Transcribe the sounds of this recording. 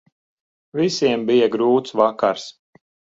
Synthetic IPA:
visiɛmbijaɡɾuːt̪svakaɾs

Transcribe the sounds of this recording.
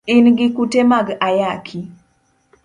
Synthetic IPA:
ɪnɡɪkutemaɡajakʰi

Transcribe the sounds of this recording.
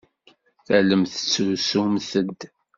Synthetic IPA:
θæləmθə̥t͡sːʊɾsumθəd̪

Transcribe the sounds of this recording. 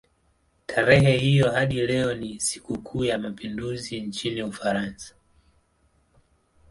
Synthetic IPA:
tʰaɾɛhɛhijɔhaɗilɛɔnisi̥kukʰuːjamapinduzint͡ʃiniufaɾansḁ

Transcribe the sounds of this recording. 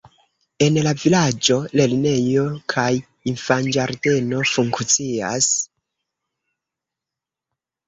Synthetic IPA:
e̞nlavilad͡ʒo̞le̞lne̞jo̞kʰaj | infand͡ʒaɾde̞no̞fuŋkt͡sia̰s

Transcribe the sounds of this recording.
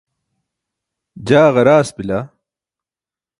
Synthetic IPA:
d͡ʑaːʁɐɾaːspila

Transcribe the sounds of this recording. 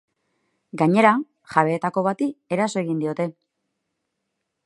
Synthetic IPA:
ɡaɲe̞ɾa | ʝaβe̞ːt̪ako̞βat̪ie̞ɾaso̞e̞ɣind̪io̞t̪e̞

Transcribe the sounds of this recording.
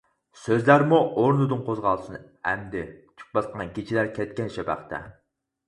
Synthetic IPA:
søzlæɾmuʔoɾnɨd̪ɨnqʰozʁɑlˠsɨn | ɛmd̪ɪt͡ʃʰy̥k̚bɑsqːɑnkʲʰet͡ʃʰilæɾkʲʰɛt̪̚kʲɛnʃɛbæ̰χt̪ʰɛ̰

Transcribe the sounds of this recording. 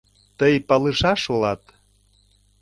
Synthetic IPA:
t̪əjpɑlɨʃɑʃolɑt̪

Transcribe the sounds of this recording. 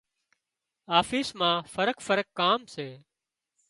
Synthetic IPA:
aːfiːsmãːfəɾəkfəɾəkːaːmseː

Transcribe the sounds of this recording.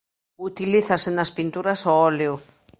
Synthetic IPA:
ut̪iliθasenaspint̪uɾasoɔleo

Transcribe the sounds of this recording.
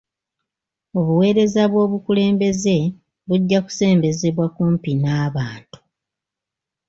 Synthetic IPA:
oβuwe̞ːɾe̞zaβwo̞ːβukule̞ːmbe̞ze̞ | βuɟːaku̥se̞ːmbe̞ze̞βwakuːmpinaːβaːntu̥

